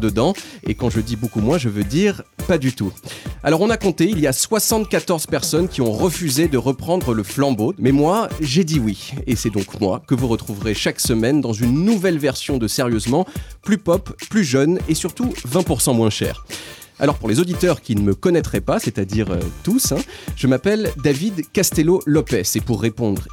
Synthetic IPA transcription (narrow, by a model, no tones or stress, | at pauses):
d̪əd̪ɑ̃ḛkɑ̃ʒəd̪ibokumwɛ̃ʒəvød̪iʁpad̪yt̪ualɔʁɔ̃nakɔ̃t̪eiljaswasɑ̃t̪̚kat̪ɔʁz̥pɛʁsɔnkʲiɔ̃ʁəfyzed̪əʁəpχɑ̃d̪ʁələflɑ̃bomɛmwaʒed̪iwiesɛd̪ɔ̃kmwa̰kəvuʁət̪χuvʁeʃaksəmɛnd̪ɑ̃zynːuvɛlvɛʁsjɔ̃d̪əseʁjøzmɑ̃plypɔpplyʒœnesyʁt̪uvɛ̃puʁsɑ̃mwɛ̃ʃɛ̰ːʁ | a̰lɔʁpuʁlezod̪it̪œʁkʲinəməkɔnɛt̪χɛpasɛt̪ad̪iʁø̰t̪usɛ̃ʒ̥əmapɛld̪avid̪kast̪ɛlolɔpɛsepuʁːepɔ̃d̪ʁ